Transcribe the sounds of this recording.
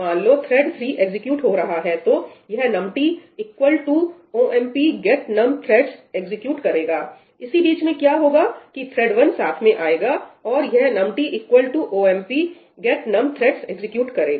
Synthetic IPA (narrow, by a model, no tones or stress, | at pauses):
ãːnloːt̪ʰɾɛɖt̪ʰɾiːʔeɡzɪkjuːʈɦoɾɐɦaɦɛt̪ojɐɦnɐmʈiɪkwəlʈu | oːʔɛ̃mpiɡɛʈnɐmt̪ʰɾɛːʈseɡzɪkjuːʈkɐɾeːɡaː | ɪsibiːt͡ʃmẽkjaːɦoːɡaːkit̪ʰɾɛːɖʋɐnsaːt̪ʰmẽʔaːeːɡaːɔːɾjɐɦnɐmʈiʔɪkwəlʈuʔoːɛːmpi | ɡɛʈnɐmt̪ʰɾɛːʈseɡzɪkjuːʈkɐɾeːɡ